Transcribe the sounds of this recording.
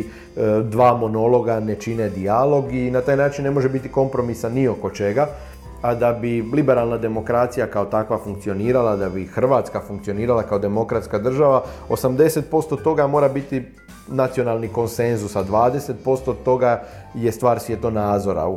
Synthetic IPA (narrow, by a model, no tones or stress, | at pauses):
d̪ʋaːmo̞no̞lo̞ɡane̞t͡ʃine̞d̪ialo̞ɡinat̪aːjnaːt͡ʃinːe̞mo̞ʒe̞bit̪iko̞mpɾo̞misanːio̞ko̞t͡ʃe̞ɡa | ad̪abilibe̞ɾalˠnad̪e̞mo̞kɾat̪sijakao̞t̪akʋafuŋkt̪sio̞niːɾalad̪abixr̩ʋaːt̪skafuŋk̚t̪sio̞niːɾalakao̞d̪e̞mo̞kɾat̪skad̪r̩ʒaʋao̞samd̪e̞se̞t̪̚po̞st̪ot̪o̞ɡamo̞ːɾabit̪i | nat̪sio̞nalˠniko̞nse̞nzusad̪ʋaːd̪e̞set̪̚po̞st̪ot̪o̞ɡa | je̞st̪ʋaːɾsʋjet̪onaːzo̞ɾa̰